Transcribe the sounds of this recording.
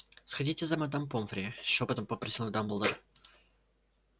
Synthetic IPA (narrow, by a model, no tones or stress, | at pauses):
sxɐdʲitʲɪzɐmɐd̪ampomfɾʲɪopət̪əmpəpɾɐsʲilˠɡd̪ambəlˠd̪əɾ